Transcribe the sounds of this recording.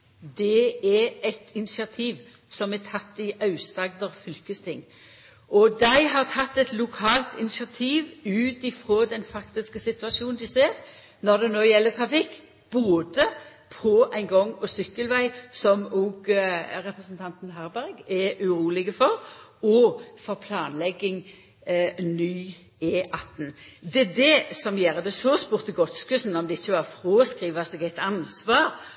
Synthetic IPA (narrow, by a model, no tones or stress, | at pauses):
d̪ɛɛɛt̪ʰɪnɪsɪɑt̪ʰiːʋ | sɔmɛt̪ʰɑt̪ːɪʔɑʉst̪ɑɡd̪əʁfʏlkəst̪ʰɪŋː | ʔɔd̪æɪɦɑʁt̪ʰɑt̪ːɛt̪lʊkʰɑːlt̪ɪnɪsɪɑt̪ʰiːʋʉːt̪ɪfɾoːd̪ɛnfɑkt̪ɪskəsɪt̪ʉɑʃuːnnd̪ɪseːʁ | nɔʁd̪ɛnoːjɛlːət̪ʰʁɑfɪkː | b̥oːd̪ə | pʰɔʔæɪnɡɔŋːɔsʏkːəlʋæɪsɔmɔɡɾɛpʁəsənt̪ʰɑnt̪n̩ɦæɾbæɾɡɛʉɾuːlɪɡəfɔɾɔfɔɾpʰlɑːnlɛɡːɪŋ | nyː | eːʔɑt̪ːn̩d̪ɛɛd̪ɛsɔmjæːɾəd̪ɛsɔspuːʁt̪əɡɔt̪skʉsn̩ɔmd̪ɛɪçːəʋɑʁfɾoːskʁiːʋəsɛɡæɪt̪ɑnsʋɑːɾ